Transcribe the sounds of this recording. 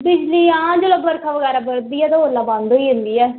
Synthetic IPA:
bɪd͡ʒliːãːd͡ʒoləbbəɾkʰaːʋəɡɛːɾaːbəɾd̪iːɛːt̪ãoːlãːbãnd̪oiːɦʊ̃nd̪iːɛː

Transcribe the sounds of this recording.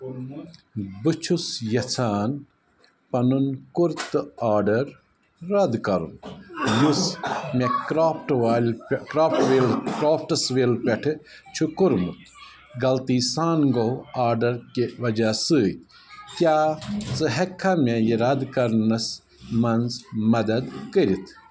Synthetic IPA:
bɨt͡ʃʰusjɐt͡sʰaːn | pɐnunkuɾt̪ɨaːɾɖɐɾː | ɐd̪kɐɾṵmjusmekɾaːpʰʈʋaːlkɾaːpʰʈʋeːlkɾaːpʰʈɐsʋeːlpʲɐʈʰɨt͡ʃʰukuɾmut̪ | ɡɐlt̪iːsaːnɡoaːɾɖɐɾkeʋɐd͡ʒɐsɨːt̪ʲ | kʲjaːt͡sɨɦɐkʰːamejiɾɐd̪kɐɾnɐs | mɐnzmɐd̪ɐd̪kəɾit̪ʰ

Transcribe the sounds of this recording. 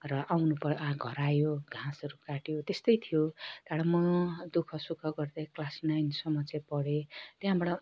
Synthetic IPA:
rʌʔawnupʌjoãɡʱʌɾajoɡʱãsɾukaʈjot̪est̪ʌjt̪ʰijot̪aɽamʌd̪ukʰʌsukʰʌɡʌrd̪aklasnajnsʌmːʌt͡sepʌɽet̪jãbaɽʌ

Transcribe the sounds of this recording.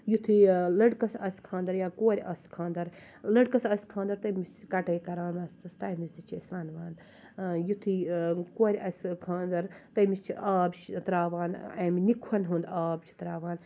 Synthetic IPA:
jut̪ʰilɐɽkɐsɐsʲkʰãːnd̪ɐɾjaːkoːɾʲɐskʰãːnd̪ɐɾ | lɐɽkɐsɐsʲkʰãːnd̪ɐɾt̪ɐmist͡ʃkɐʈeːkɐɾaːnmɐsst̪aːjmisd̪it͡ʃʰesʋaːnʋaːn | jut̪ʰikoːɾʲʔɐsʲkʰãːnd̪ɐɾt̪ɐmist͡ʃʰaːbt͡ʃʰt̪ɾaːʋaːnɐmnʲikʰɐnɦund̪aːbt͡ʃʰi̥t̪ɾaːʋaːn

